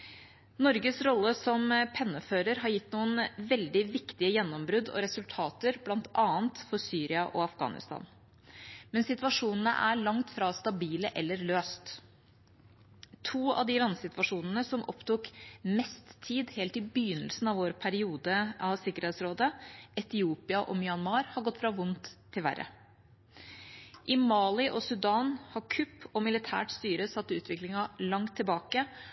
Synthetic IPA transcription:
nɔɾɡəsɾɔlːəsɔmpʰɛnːəføːɾəɾɦɑɾjɪt̪ːnuːənʋɛld̪ɪʋɪkt̪ɪəjɛnːɔmbɾʉd̪ɔ̰ɾɛsʉlt̪ʰɑːt̪əɾblɑnt̪ɑːənt̪fɔɾsyːɾɪɑʔɔɑfɡɑ̰ːnɪ̰st̪ɑ̰ːn | mɛnsɪt̪ʋɑʂuːnən̩ə̰ʔæɭɑŋt̪fɾɑst̪ɑbiːləʔɛlːəɾløːst̪ | t̪ʰuːɑ̰ʋd̪ɪlɑnsɪt̪ʋɑʂuːnənəsɔmʔɔ̰pt̪uːkmɛst̪ʰːiːd̪heːlt̪ɪbjʏnəlsn̩ɑʋoːɾpʰæɾɪuːd̪əɑsɪkːəɾheːt̪sɾoːd̪əɛt̪ɪuːpɪɑʔɔmɪɑnmɑːɾhɑɾɡɔt̪ːfɾɑʋʊnt̪ʰːɪlʋæ̰ɾʔə̰ | ʔɪmɑːlɪʔɔsʉd̪ɑːnhɑɾkʰʉpʰːɔmɪlɪt̪ʰæ̰ːʈst̪yːɾəsɑt̪ːʉːt̪ʰʋɪklɪŋɑlɑŋt̪ʰːɪlbɑːkə

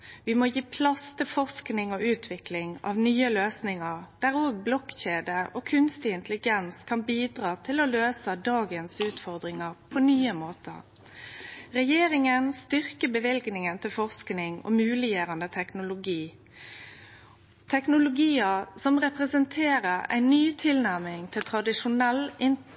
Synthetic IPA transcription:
ʋɪmoːjiːpʰlɑst̪ʰɪlfɔʁsknɪŋoʉːt̪ʰʋɪklɪŋɑ̰ʋnyːəløːsnɪŋəɾd̪̥æʁoːɡ̚blɔkçeːd̪əoːkʰʉnst̪ɪɪnt̪lɪɡɛnskʰɑnbiːd̪ʁɑːt̪ʰɪlɔløːsəd̪ɑːɡənsʉːt̪fɔʁd̪ʁɪŋəʁpʰɔnyːəmoːt̪ə̰ʁ | ʁɛjeːɾɪŋənst̪ʏʁkəbəʋɪlɡnɪŋənt̪ʰɪlfɔʁsknɪŋo̰ːmʉːlɪjøːʁɑnd̪ət̪ʰɛknʊlʊɡiː | t̪ʰɛknʊlʊɡiːəsɔmʁɛpʁəsənt̪ʰeːʁəʁæ̰ɪnːyːt̪ʰɪlnæʁmɪŋt̪ʰɪlt̪ʰʁɑd̪ɪʂʊnɛlːʔɪn

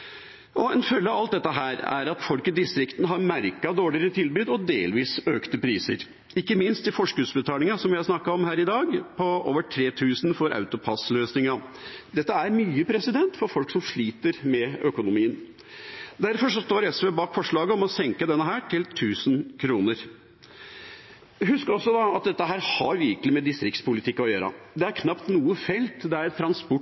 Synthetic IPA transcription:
ʔɔɛnfœlːəɑʋɑlt̪̚d̪ɛt̪ːəɦæːɾæ̰ɾɑt̪fɔlkəd̪ɪst̪ɾɪkt̪n̩ɦɑɾmæɾkɑd̪oːɭɪəɾət̪ʰɪlbʉːd̪ɔd̪eːlʋiːsøːkt̪əpɾiːsə̰ɾ | ɪkːəmɪnst̪ɪfɔʂkʉːsbət̪ʰɑːlɪŋɑsɔmʋɪhɑɾsnɑkːɑɔmhæːɾɪd̪ɑːɡpʰɔo̰ːʋəʈʰɾeːt̪ʰʉːsn̩fɔɾɑ̰ʉt̪ʊpʰɑsløːsnɪŋɑd̪ɛt̪ːəæɾmyːəpʰɾɛsɪd̪ɛnt̪fɔɾfɔlksɔmʂɭiːt̪əɾmɛøkʊnʊmiːən | d̪æɾfɔʂɔst̪oːɾɛsʋeːbɑːkfɔʂɭɑːɡəɔmɔsɛŋkəd̪ɛnːəɦæːʈʰɪlt̪ʰʉːsnkʰɾuːnəɾ | hʉskɾɔsːɔd̪ɑɑt̪̚d̪ɛt̪ːəɦæːɾhɑɾʋɪɾkəlɪmɛd̪ɪst̪ɾɪkt̪spʊlɪt̪ʰɪkːɔjøːɾɑ̰d̪ɛæɾkʰnɑpt̪nuːəfɛlt̪d̪ɛæɾɛt̪ʰːɾɑnspɔ

